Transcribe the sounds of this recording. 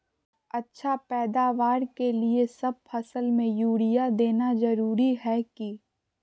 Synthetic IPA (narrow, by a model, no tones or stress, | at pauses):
ɐtːʃʰapɛːd̪aːʋaːɾkeliesɐb̚pʰɐsəlmẽjuːɽɪjad̪eːnazɐɾuːɾiɦɛki